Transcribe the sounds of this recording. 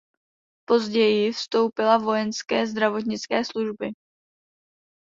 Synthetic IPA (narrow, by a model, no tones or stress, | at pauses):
po̞zɟɛjɪfst̪o̞wpɪlavo̞jɛnskɛːzd̪ɾavo̞t̪̬ɲɪt͡skɛːsluʒbɪ